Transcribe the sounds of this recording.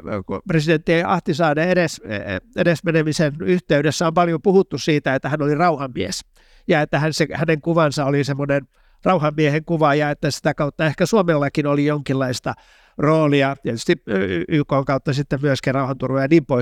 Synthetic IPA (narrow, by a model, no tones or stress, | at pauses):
kupresident̪ːieiɑ̰ht̪isɑːneeɾesḛɾesmenemisenyht̪eydesːæompɑljopuhut̪ːussiːt̪æet̪ːæhænolirɑuhɑmmies | jɑet̪ːæhænsehæneŋkuʋɑnsɑolisemːonen | rɑuhɑmːieheŋkuʋɑjɑet̪ːæsi̥t̪ækɑut̪ːɑehkæsuomelːɑkinolijoŋkilːɑist̪ɑ | roːliɑt̪iɛt̪yst̪iyːkoːŋkɑut̪ːɑsit̪ːemmyøskirɑuhɑnt̪urʋojɑniːmpoi